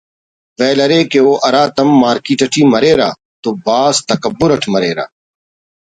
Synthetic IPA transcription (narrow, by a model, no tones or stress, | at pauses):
ʋɛːləɾeːkeoːʔɐɾaːt̪ɐmːaːɾkiːʈəʈʰiːməɾeːɾa̰ː | t̪oːbaːst̪əkəbːʊɾəʈʰməɾeːɾa̰ː